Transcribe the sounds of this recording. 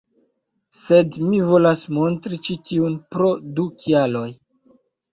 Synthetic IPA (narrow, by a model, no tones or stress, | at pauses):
se̞dmivo̞lasmo̞ntɾit͡ʃitiunpɾo̞dukialo̞j